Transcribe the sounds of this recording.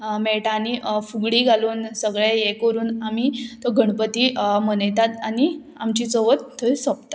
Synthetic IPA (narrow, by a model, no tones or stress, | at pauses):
mɛɭʈanifuɡɭiːɡʱaluːnsəɡɭejekəɾuːnamit̪ɔɡʱəɳpət̪iːmənəjt̪at̪ani | amt͡ɕit͡sɔʋət̪t̪ʰːəjsopt̪ḁ